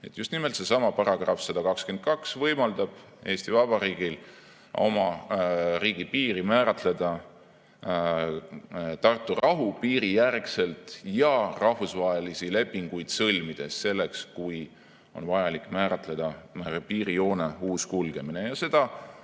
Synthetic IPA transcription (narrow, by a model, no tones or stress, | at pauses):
e̞̰t̪ːˑjust̪nime̞lt̪se̞sɑmɑpɑɾɑɡ̥rɑfsɑd̪̥ɑkɑkskent̪̚kɑksvɤjmɑld̪ɑb̥ | e̞ːst̪ivɑb̥ɑɾiːɡ̥il | o̞̰mɑ | riːɡ̥ipiːɾimæːɾɑt̪le̞d̪̥ɑ | t̪ɑrt̪ːˑurɑɦupiːɾijærkse̞lt̪jɑrɑhvusvɑe̞lisile̞pːiŋɡ̥ujd̪̥sɤlʲmid̪̥e̞sːe̞lːe̞kskuj | o̞̰nvɑjɑlikːˑmæːɾɑt̪le̞d̪̥ɑpiːɾio̞ːneuːskulɡ̥e̞mine̞jɑse̞d̪̥ɑ